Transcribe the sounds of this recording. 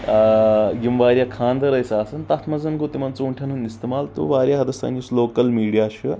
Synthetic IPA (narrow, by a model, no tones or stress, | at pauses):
ɡimʋaːɾʲjakʰaːnd̪ɐɾɐjsaːsɐnt̪ɐt̪ʰmɐzɐnɡot̪imɐnt͡sɐuɳʈʰjɐnɦunist̪emaːlt̪ṵʋaːɾjaɦɐd̪ɐst̪ɐ̰ːnusloːkɐlmiːɽijaːʃu